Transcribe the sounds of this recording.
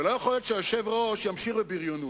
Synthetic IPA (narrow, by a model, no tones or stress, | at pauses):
elojaχoljot̪ʃeaʃevʁoʃjamʃiχbebiʁjonu